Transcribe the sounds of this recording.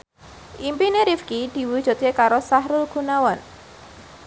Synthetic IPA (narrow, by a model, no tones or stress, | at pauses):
ʔimpineɾifkid̪̥i̤wud̥ʒ̥ɔ̤t̪̚kekaɾosaɦɾulɡ̥ṳnawɔn